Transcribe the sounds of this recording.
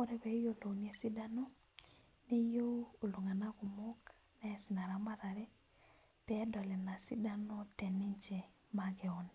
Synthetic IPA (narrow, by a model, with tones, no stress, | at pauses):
o˦ɾɛ˦be˨˦i˦jo˦lo˨wn˦e˨si˦da˦no˦ | ni˦jo˦o˨lu˨ŋa˨na˦ɡu˨mo˦k | nɛ˦si˨na˨ɾa˨ma˦ɾa˨ɾɛ˦ | tɛː˨˦dɔ˨lɛ˨na˨si˦da˦no˦tɛ˨nɪ˦ɲt͡ʃe˨ | maɡɛ˨o˨n